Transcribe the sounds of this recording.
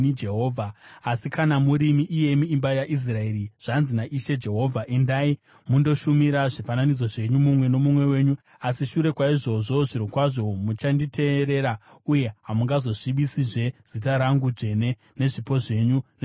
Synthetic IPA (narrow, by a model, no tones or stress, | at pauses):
id͡ʒeɦoːvʱaasikʰanamuɾimiʔije̞miːmbajaʔis̬rae̞ɾiʐ̥anzinaʔiʃe̞d͡ʒe̞ɦo̞vʱaʔendai | mundo̞ʃumiɾaʐifananid͡zo̞ʐe̞ɲumumwe̞no̞mumwe̞we̞ːɲu | asiʃuɾe̞kwaiʐo̞ʐo̞ʐiɾokwaʐo̞mut͡ʃanditʰe̞ɾe̞ɾa | uje̞ɦamuŋɡazo̞ʐiɓisiʐe̞z̥it̬aɾaŋɡud͡ʐe̞ne̞ | ne̞ʐipo̞ʐe̞ɲun